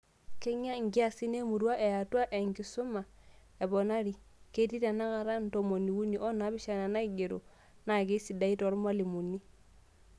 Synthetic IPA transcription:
ke˦ɲa˦ŋ˨ɡi˦a˦˨si˦ne˦mu˨ɾwa˦ʔɛ˨ja˨ta˦ʔe˨ŋɡi˨su˦ma˨ | ɛ˨bɔ˨na˦ɾi˨ | ke˦ti˦ta˨na˦ka˨ɾa˦n̩˨to˨mo˨ni˨wu˦ni˨ʔɔ˦na˨˦bi˦ʃa˨na˨na˦i˦ɡe˨ɾo̰˨ | na˨k̬e˦si˨da˦i˦tɔ˨˦ɾmwa˦li˨mu˨ni˦

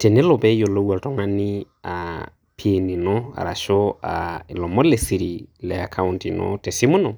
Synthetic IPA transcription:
tɛ˨nɛ˦lɔ˨bɛ˦jo˨lo˦wa˨ltɔ˨ŋa˦ni˦ | a˨ | pʰi˦e˨ni˨nɔ˦a̰˨ɾa̰˨ʃɔ˦a̰˨lɔ˨mɔ˦lɛ˨si˨ɾi˨lɛ˨a˨kʰa˦wunti˨nɔ̰˦tɛ˨si˦mu˦nɔ˨

